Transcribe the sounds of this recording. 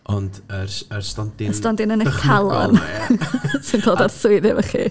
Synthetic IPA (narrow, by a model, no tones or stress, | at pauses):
ɔndərərstɔndɪəstɔndɪnənəkʰalˠɔ̰n | sinkʰoːlˠdarsʊɨðɛvəχḭ